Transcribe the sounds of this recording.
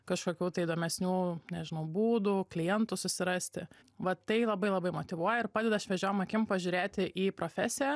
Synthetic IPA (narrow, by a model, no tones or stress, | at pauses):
kɐʃkoːkʲuːt̪ɐɪid̪oːmʲɛsʲnʲuːnʲɛʒʲɪnɐʊbuːd̪uklʲɪjɛnt̪ʊsʊsʲɪɾɑsʲt̪ʲɪ | ʋɐt̪ɐɪlˠɐbɐɪlˠɐbɐɪmoːt̪ʲɪʋuɔjɛɪrpɑːd̪ʲɛd̪ɐɐʃʋʲɛʒʲoːjmɐkʲɪmpɐʒʲuːɾʲeːt̪ʲɪʔiːpɾoːfʲæːsʲɪjɛ